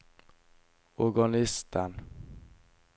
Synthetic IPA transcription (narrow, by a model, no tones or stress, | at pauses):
ɔɡɔnɪst̪ʰan